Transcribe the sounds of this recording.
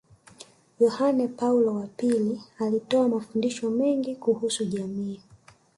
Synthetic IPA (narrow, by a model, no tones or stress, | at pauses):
jɔhanɛpaulɔwapilialitɔamafundiʃɔmɛŋɡikuhusuʄamiː